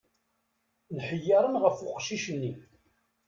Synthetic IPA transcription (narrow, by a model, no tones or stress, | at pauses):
nħəjːɑɾˤənʁəfʊqʃiʃənːi